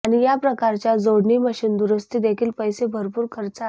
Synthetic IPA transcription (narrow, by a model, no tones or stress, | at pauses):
aɽ̃ijapɾəkaɾt͡ɕjad͡zoɽɳiːməɕiːnd̪uɾəst̪id̪ekʰiːlpəjsebʱəɾpuːɾkʰəɾt͡sa